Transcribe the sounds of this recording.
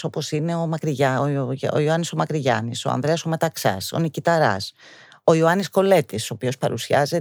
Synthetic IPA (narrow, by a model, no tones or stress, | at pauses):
o̞po̞sine̞omɐkɾiʝɐoo̰ioɐniso̞mɐkɾiʝɐ̰niso̞̰ɐ̰nðɾe̞ɐso̞met̪ɐksɐ̰so̞̰nicit̪ɐɾɐ̰s | o̞ioɐnisko̞le̞t̪iso̞ːpio̞spɐɾusiɐze